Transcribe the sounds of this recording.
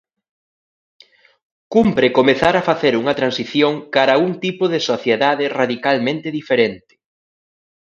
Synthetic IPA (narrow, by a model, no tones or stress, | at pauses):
kumpɾeɪkomeθaɾɐfaθeɾuŋɐt̪ɾansiθjoŋkaɾɐuŋt̪ipoðɪsoθjeðaðɪraðikalmẽnt̪ɪðifeɾent̪ɪ̥